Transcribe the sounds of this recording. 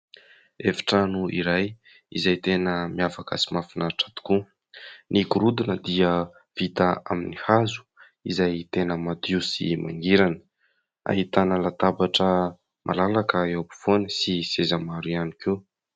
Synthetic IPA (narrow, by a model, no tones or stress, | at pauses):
efḁʈ͡ʂənuḭɾaj | ḭzajt̪enəmiafakə̰simafinaɾaʈ͡ʂat̪u̥ku | nikuɾud̪inəd̪iə | v̥it̪aa̰minihazu̥ | izajt̪enəmad̪isḭma̰ŋɡiɾanə̥ | a̰ɦit̪anəlat̪abaʈ͡ʂə | mʔa̰lalakəewapi̥v̥onəsisezamaɾianike